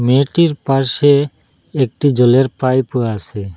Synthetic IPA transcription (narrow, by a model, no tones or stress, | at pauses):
meʈiɾpaɾʃe | ek̚ʈid͡ʑoleɾpajpueasʰe